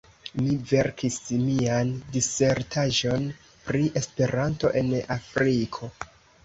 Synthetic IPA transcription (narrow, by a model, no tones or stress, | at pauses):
mive̞ɾkismiandise̞ɾtʰaʒo̞n | pɾiʔe̞spe̞ɾanto̞̰ʔe̞nafɾikʰo̞